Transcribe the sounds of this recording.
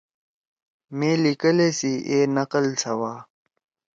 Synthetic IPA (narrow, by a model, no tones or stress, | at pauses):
meːlikəlesiʔeːnɐqəlt͡sʰɐwaː